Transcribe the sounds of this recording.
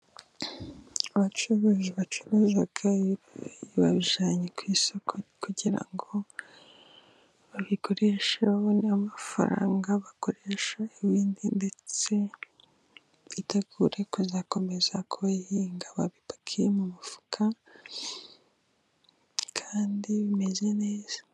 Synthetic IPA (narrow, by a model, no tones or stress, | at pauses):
aβat͡ʃuɾoʒeβat͡ʃuɾozaɡa | βaβiʒaːɲekwiːsokʰokuɟiɾa̰ŋɡo̞ | βaβiko̞ɾe̞ʃehonamafa̰ɾa̰ːŋɡaβako̞ɾeʃaiβiːndinde̞t͡se̞ | iteɡuɾe̞kuzako̞me̞zakʰuβahiːŋɡaβaβipḁkʰijemumufu̥kʰa | kʰaːndiβime̞ze̞neːz̥ḁ